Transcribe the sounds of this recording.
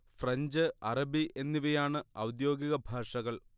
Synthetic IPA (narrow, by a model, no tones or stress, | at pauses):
frɐɲd͡ʑɨɐrɐbiʔe̞nːiʋɐjaːɳɨɐwd̪jo̞ːɡiɣɐbʱaːʂɐɣɐɭ